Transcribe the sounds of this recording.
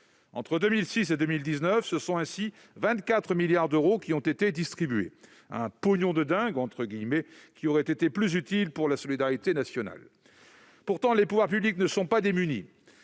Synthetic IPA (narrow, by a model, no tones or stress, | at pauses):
ɑ̃t̪χəd̪ømilsised̪ømild̪iznœfsəsɔ̃ɛ̃si | vɛ̃t̪kat̪χəmiljaʁd̪øʁokʲiɔ̃t̪et̪ed̪ist̪χibyḛ | ɛ̰̃poɲɔ̃d̪əd̪ɛ̃ɡɑ̃t̪χəɡʲijmɛkʲiɔʁɛt̪et̪eplyzyt̪ilpuʁlasɔlid̪aʁit̪enasjɔna̰l | puʁt̪ɑ̃lepuvwaʁpybliknəsɔ̃pad̪emyni